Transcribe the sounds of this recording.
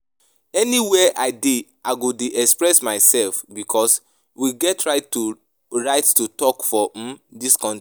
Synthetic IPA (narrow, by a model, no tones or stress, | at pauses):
ɛniwɛʔaɪdiʔaɪɡodeʔɛkspɹɛsmaɪsɛlfbikʰɔs | wiɡɛtɹaɪtːu | ɹaɪttutɔkfɔdiskɔ̃n